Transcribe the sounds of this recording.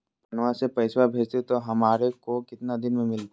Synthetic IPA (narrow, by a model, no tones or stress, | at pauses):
pɐnʋasepɐɪswabʱeːd͡ʒt̪et̪oɦɐmaːɾekokɪt̪nad̪ɪnmẽmɪlt̪